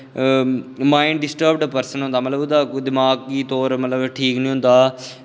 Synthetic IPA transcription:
maːɪɳɖɖɪsʈəɾbɖpəɾsənɦʊ̃nd̪aːmət̪ləbʊd̪aːd̪ɪmaːɡ̚iːt̪oːɾmət̪ləbʈʰiːknĩːɦʊ̃nd̪aː

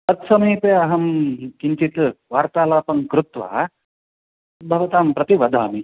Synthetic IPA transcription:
pɐt̪sɐmiːpeɐɦɐmkiɲt͡ʃit̪ʋaːɾt̪aːlaːpɐŋkɾut̪ʋa̰ː | bʱɐʋɐt̪aːmpɾɐt̪iʋɐd̪ʱaːmi

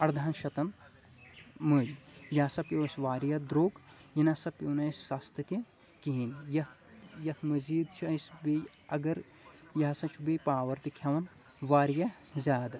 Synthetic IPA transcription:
ɐɾd̪ʱaːnʃɐt̪ɐn | mɨlʲjɐsɐpjoːsʲʋaːɾjɐd̪ɾoːɡjinɐsɐpjoːnɐsʲsast̪ɨt̪ʲi | kiɦinjɐt̪jɐt̪ʰmɐziːd̪t͡ʃʰuɐsbe | ɐɡɐɾ | jɐɦsɐt͡ʃʰubepaːʋɐɾt̪ikʲʰjɐʋɐn | ʋaːɾjɐ | zʲaːd̪

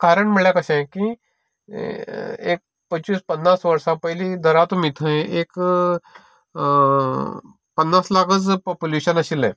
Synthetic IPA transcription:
kaːɾəɳmiɭjakɐsẽki | ḛːk̚ | pət͡ʃispɐnːaːsʋɐɾsãpɐɦlid̪ɐɾaːt̪umit̪ʰə̃ẽeːk | pɐnːaːslaːkəzpoːpuleːʃənɐsilḛ̃ː

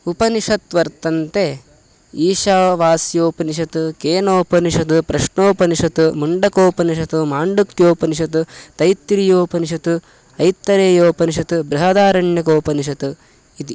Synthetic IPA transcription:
upɐniʂɐt̪ʋɐɾt̪ɐnt̪e | iːʃaːʋaːsjoːpɐniʃɐt̪ukeːnoːpɐniʂɐt̪upɾɐʂɳoːpɐniʃɐt̪umuɳɖɐkoːpɐniʃ̬ɐt̪umaːɳɖuk̚t̪joːpɐniʃ̬ɐt̪ut̪ɐjt̪ːɾijoːpɐniʃ̬ɐt̪u | ɐjt̪ːɐɾeːjoːpɐniʃ̬ɐt̪ubɾɐɦɐd̪aːɾɐɳjɐk̬oːpɐniʃ̬ɐt̪u | it̪i

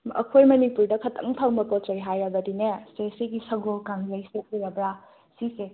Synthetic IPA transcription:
ɐ̰kʰojmɐnipuɾdɐkʰɐtʰɐ̰ŋtʰaŋmɐpot͡ʃɐjɦajɐbɐdinestesiɡisɐɡolkaŋlɐjsekiɾɐbɾa | sise

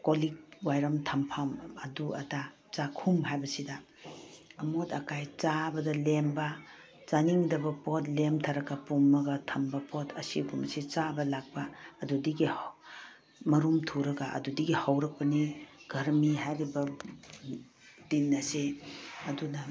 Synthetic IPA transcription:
kolik̚wajɾɐmtʰɐmpʰamɐduɐ̰ta | t͡ʃakʰumɦajbɐsidɐː | motɐkajt͡ʃabɐdɐlembɐ | t͡ʃaniŋdɐbɐpot̚lemtʰaɾɐkɐpumːɐɡɐtʰɐmbɐpotʰɐsiɡumsit͡ʃabɐlak̚bɐːdudiɡih | mɐɾumtʰuɾɐɡaʔɐ̰dudiɡihawɾɐk̚pɐniɡ̥ɐɾmiɦajɾibɐ | dinːɐseɐdunɐ

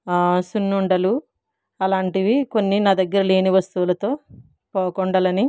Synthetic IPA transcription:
sunːuɳɖɐlu | ɐlaːɳʈiʋiko̞nːinaːd̪ɐɡːɐɾɐle̞ːniʋɐst̪uʋulɐt̪o̞ː | pɔːkɔɳɖɐlɐni

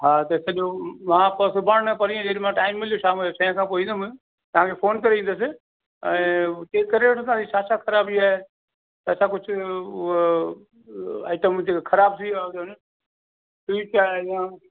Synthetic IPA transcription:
ɦaːt̪ɐsɐɗomãːpəsʊbʱaːɽəpɐɾiːẽd͡ʒeːɽimãːʈaːɪmːɪlijoʃʰaːmɪlːsɐ̃ɦãkʰãːpoːĩːd̪m | t̪ɐʋ̤ãːkʰepʰoːnkɐɾeĩn̆d̪əs̬ɪ | ɛ̃ːteːkːəɾeːʈt̪ãːsiːt͡ʃʰaːt͡ʃʰakʰəɾaːbiaːɦe | t̪ət͡ʃʰakʊt͡ʃʰ | a̰ːɪʈəmd͡ʒekkʰəɾaːbsiɗon | piːʈʰaːeã

